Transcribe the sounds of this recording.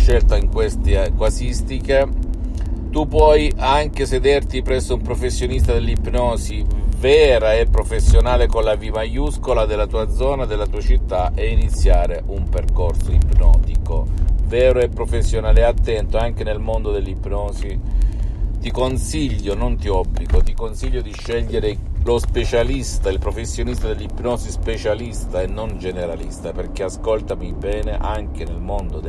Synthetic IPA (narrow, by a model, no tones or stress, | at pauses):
ʃːɛlt̪aiŋkwest̪ekwasist̪ike | t̪upwɔjaŋk̟esed̪ɛrt̪ipɾɛsːoumpɾofesːjonist̪ad̪elːipnɔːsivɛːɾaɛpːɾofesːjonaːlekonlavimajuskolad̪elːat̪uːad̪zɔːnad̪elːat̪uːat͡ʃit̪ːaʔeinit̪sːjaːɾeʔumperkorsoipnɔ̰ːt̪iko̰vɛːɾoɛpːɾofesːjonaːleat̪ːɛnt̪oaŋk̟enelmond̪od̪elːipnɔːsi | t̪ikonsiʎːonont̪iɔbːliɡot̪ikonsiʎːod̪iʃːɛʎːeɾelospet͡ʃalist̪ailpɾofesːjonist̪ad̪elːipnɔːsispet͡ʃalist̪aenːond͡ʒeneɾalist̪aperk̟easkolt̪amibɛːneʔaŋk̟enelmond̪od̪